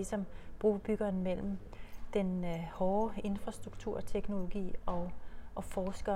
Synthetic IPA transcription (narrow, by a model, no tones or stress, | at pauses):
isɒ̽mb̥ʁuːb̥yɡ̥ɐnmel̰m̩ | d̥enhɒːe̝nfʁɑ̈sd̥ʁuɡ̥̚t͡sʰuɐ̰t͡sʰeɡ̥no̝lo̝ɡ̥ḭːɒ̽ʔɒ̽fɒːsɡ̥ɐ